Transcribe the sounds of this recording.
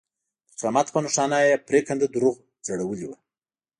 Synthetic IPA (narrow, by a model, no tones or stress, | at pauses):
qamat̪pənuʂɑnajepɾekand̪əd̪uɾuɣ | d͡zaɽawəliwa